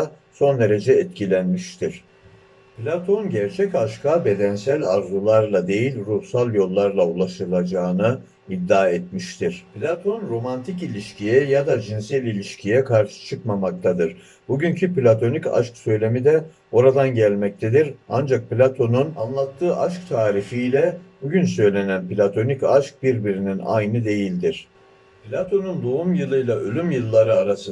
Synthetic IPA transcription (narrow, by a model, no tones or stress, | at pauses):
so̞nd̪e̞ɾe̞d͡ʒɛːt̪cʰilʲænmiʃt̪ʰiɾ̥ | plʲat̪ʰonɟæɾt͡ʃʰɛcaʃkʰabe̞d̪ænsælʲaɾzulˠaɾlˠad̪e̞jilʲɾuhsalˠjo̞lˠːaɾlˠaulˠaʃɯlˠad͡ʒaːɯnɯ | id̪ːaːɛt̪̚miʃt̪ʰiɾ̝̥plʲat̪ʰo̞nɾo̞mant̪ʰicilʲiʃcʰijɛjad̪ad͡ʒinsɛlʲilʲiʃcʰijɛkʰaɾʃɯ̥t͡ʃʰɯkmamak̚t̪ʰad̪ɯɾ | buɟyɲcʰyplʲat̪ʰo̞nica̰ʃksø̞jlʲe̞mid̪ɛ | o̞ɾad̪anɟælʲmɛc̚t̪ʰed̪iɾand͡ʒak̚plʲat̪ʰo̞nunanlˠat̪ʰːɯːʔaʃk̚t̪ʰaːɾifijlʲɛbuɟynsø̞jlʲe̞nænpilʲat̪ʰo̞nicaʃk̚biɾbiɾinina̰jnɯd̪e̞jilʲd̪iɾ̥ | plʲat̪ʰo̞nund̪oumjɯlˠɯjlˠaʔø̞lʲymjɯlˠːaɾɯaɾasɯ